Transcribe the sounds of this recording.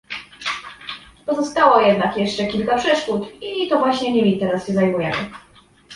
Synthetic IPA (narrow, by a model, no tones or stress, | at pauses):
pɔzɔst̪awɔjɛd̪nakjɛʂt͡ʂɛkʲilkapʂɛʂkut̪it̪ɔvwaɕɲɛɲɛmʲit̪ɛɾasɕɛzajmujɛmɘ̰